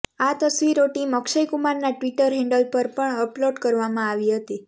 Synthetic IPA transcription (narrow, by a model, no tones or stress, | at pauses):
at̪əsʋiɾoʈiməkʃəjkumaɾnaʈʋiʈəɾɦɛ̃ɳɖəlpəɾpəɳəploɖkəɾʋamãaʋiɦət̪i